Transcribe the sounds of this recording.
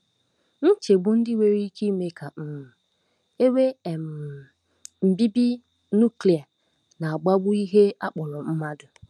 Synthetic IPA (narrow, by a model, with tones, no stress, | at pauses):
n̩˦t͡ʃe˨ɡ͡bʊ˦n̩˦dɪ˦we˦ɾi˦ki˦me˦kʰa˨m̩˦m̩˨ | e˦we˦˨m̩˨ | m̩˨bi˦bi˦ | nu˦˨kli˨a˨ | na˨a˨ɡ͡ba˦ɡ͡bʊ˦i˦ɦe˦a˦k͡pʊ˨lɔ˨m̩˦ma˦dʊ˨